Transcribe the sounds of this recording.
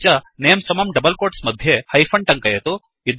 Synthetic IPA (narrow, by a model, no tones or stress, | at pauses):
t͡ʃɐneːmsɐmɐmɖɐbɐlkoːʈsmɐd̪ʱjehɐjpʰɐɳɖʈɐŋkɐjɐt̪u | id̪